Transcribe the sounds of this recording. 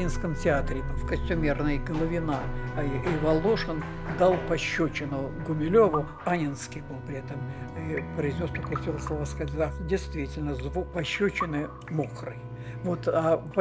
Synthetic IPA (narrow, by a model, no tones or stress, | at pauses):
inskəmtʲɪat̪ɾʲɪfkəsʲtʲʊmʲirnəjɡəlˠəvʲɪnaʔivɐlˠːoʂən | d̪alˠpɐɕːɵt͡ɕɪnʊɡʊmʲɪlʲovʊ | anʲɪnskʲɪjbɨlˠpɾʲɪɛt̪əmipɾəɪznʲo̞st̪ɐkojtʲilˠəslˠovaskatʲd̪afdʲɪjst̪vʲitʲɪlʲnəzvuk̚pɐɕːɵt͡ɕɪnɨ | moxrɨj | vo̞t̪apɐ